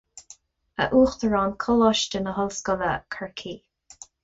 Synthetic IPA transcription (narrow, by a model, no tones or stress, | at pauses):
ə̰ʔuːxt̪əɹɑːnkʰɔlɔʃtənəɦɔlskɔðəkʰəɹkʰiː